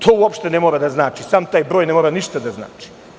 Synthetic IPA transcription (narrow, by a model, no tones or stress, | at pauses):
t̪ʰoːuopʃt̪enemoɾad̪aznaːt͡ʃisaːmt̪aːjbɾoːjnemoɾaniʃt̪ad̪azna̰ːt͡ʃi̥